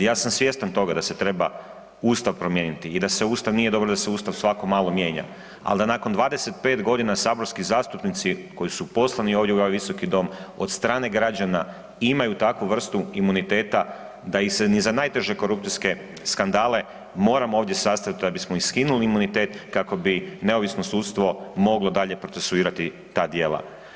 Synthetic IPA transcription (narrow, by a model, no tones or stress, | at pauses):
jaːsamsʋje̞st̪ant̪o̞ɡad̪ase̞t̪ɾe̞ba | uːst̪aʋpɾo̞mje̞nit̪iːd̪aseuːst̪aʋnije̞d̪o̞bɾod̪aseuːst̪aʋsʋako̞maːlˠo̞mje̞ːɲa̰ | a̰ld̪anako̞nd̪ʋaːd̪e̞se̞t̪̚pe̞ːt̪ɡo̞d̪inasaːbo̞ɾskizaːst̪upnit̪siko̞jisupo̞slˠanio̞ːʋd̪jeujojʋiso̞kid̪o̞mo̞d̪st̪ɾaːne̞ɡɾad͡ʑana | imajut̪akʋuʋr̩st̪uimunit̪e̞ːt̪a | d̪aisenizanaːjt̪e̞ʒe̞ko̞ɾup̚t̪iske̞ | skand̪aːle̞ | mo̞ːɾamoo̞ːʋd̪ʲje̞sast̪ait̪d̪abismoiskinuliːmunit̪e̞ːt̪kako̞bine̞o̞ʋisnosuːt̪st̪ʋo̞mo̞ɡlˠo̞d̪aʎe̞pɾo̞t̪sesuiːɾat̪i | t̪aːd̪je̞ːlˠa̰